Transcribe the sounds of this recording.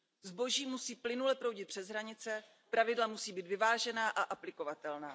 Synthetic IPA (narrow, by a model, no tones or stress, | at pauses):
zbo̞ʒiːmusiːplɪnulɛpɾo̞wɟɪt̪̚pr̝̥ɛzɦɾaɲɪt͡sɛ | pɾavɪdlamusiːbiːt̪vɪvaːʒɛnaːʔaʔaplɪko̞vat̪ɛlnaː